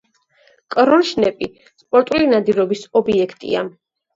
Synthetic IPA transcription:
kʼɾɔnʃnɛpʼi | spʼɔɾt̪ʼulinad̪iɾɔbisɔbiɛkʰt̪ʼḭa̰

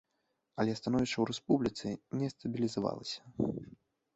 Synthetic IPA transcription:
ɐlʲɛst̪anɔvʲiʂt͡ʂɐwɾɛspublʲit̪sɨnʲɛst̪ɐbʲilʲizava̰lˠɐsʲɐ̥

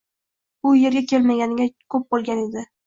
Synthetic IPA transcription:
ʊje̞ɾɡʲakʲʰe̞lmaɡʲanɪɡʲakʰɵp̚bolˠɡʲane̞d̪ɪ

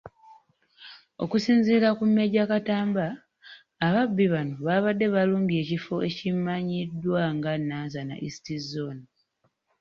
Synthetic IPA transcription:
o̰kusiːnziːɾakumːe̞ɟakataːmbaː | βabːiβanoβaβadːe̞βaluːɲɡie̞ːcifo̞ʔe̞cimːaɲidːwaŋɡanaːzana̰ʔisi̥tizon

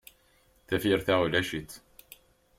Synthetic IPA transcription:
θæfiɾθæulæʃit̪

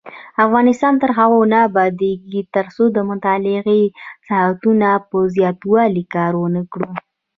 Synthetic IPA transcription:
afɣɑnɪst̪ɑnt̪əɾɦaɣonabɑd̪eɡit̪əɾsod̪əmʊt̪ɑlɪɣisahat̪unapəzjɑt̪wɑlikɑɾwənəkɽu

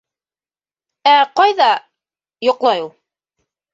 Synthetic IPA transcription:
æqɑjðɑ | jŏqlˠɑjulˠ

